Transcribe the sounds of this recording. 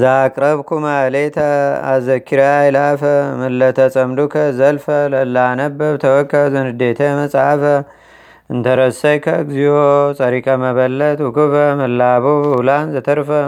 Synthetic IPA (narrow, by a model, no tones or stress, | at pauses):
zɨakʼɾɐβkʰumalet̪ʰɐa̰zɐkʰiɾaajlafɐmɨlːɐt̪ʰɐt͡sʼɐmlukʰɐzɐlfɐlɐlːanɐbːɐβt̪ʰɐwɔkʰːɐzɨnɨd̪et̪ʰɐmɐt͡sʼafɐ | ɨnt̪ʰɐɾɐsɐjkʰɐɡzijot͡sʼɐɾikʼɐmɐβɐlːɐt̪ukɨfɐmɨlːaβulanzɐt̪ʰɐɾfɐ